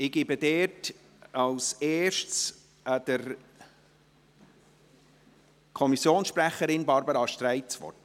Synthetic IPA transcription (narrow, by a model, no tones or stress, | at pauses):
ɪɡ̥ɪbəd̪ɛːt | ɑwsɛːʃs | ʔəd̪̥əɾ | kʰɔmisjoːnsʃpɾæχəɾɪnbɑɾbəɾɑʃtɾæɪt͡sʋɔ̰rt